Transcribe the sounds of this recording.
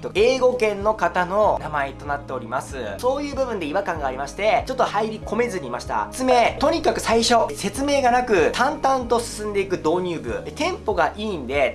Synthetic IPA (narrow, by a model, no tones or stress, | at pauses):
t̪ːoe̞ːɡo̞kẽ̞nːo̞kat̪ano̞namae̞t̪o̞nat̪ːe̞o̞ɾʲimasɨso̞ːjɯ̟ːbɯ̟bɯ̟nd̪e̞iβakãŋɡaːɾʲimaɕi̥t̪e̞t͡ɕo̞t̪ːohaiɾʲikʰo̞me̞zɨɲ̟imaɕi̥t̪a̰t͡sɨme̞t̪o̞ɲ̟ikakɯ̟saiɕo̞se̞t͡sɨme̞ːɡanakɯ̟t̪ʰãnt̪ãnt̪o̞sɨ̥sɨ̃nd̪e̞ikɯ̟d̪o̞ːɲ̟ʲɨːbɯ̟̰t̪ẽ̞mpo̞ɡaʔiːnd̪e̞